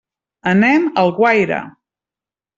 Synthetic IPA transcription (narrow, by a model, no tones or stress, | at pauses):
ənɛməlˠɣwajɾə̰